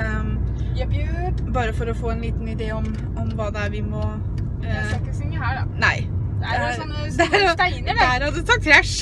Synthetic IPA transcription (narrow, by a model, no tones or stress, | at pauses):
jbjbɑːɾəfɔɾɔfoːɛnliːt̪nɪd̪eːɔm | ɔmʋɑːd̪ɛæɾʋɪmɔ | ɑkːəsɪŋəɦæːɖɑ̰næɪd̪ɛæɔnː | d̪ɛɾɔt̪æɪnəɾɑd̪ɛt̪ʰɑːkʰɾæʂ